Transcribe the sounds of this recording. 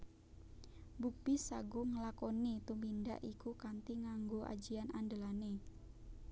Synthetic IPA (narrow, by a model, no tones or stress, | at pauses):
bupisaɡuŋəlakonit̪uminda̰ʔikukant̪iŋaŋɡoʔa̰̥d͡ʒianʔand̪əlane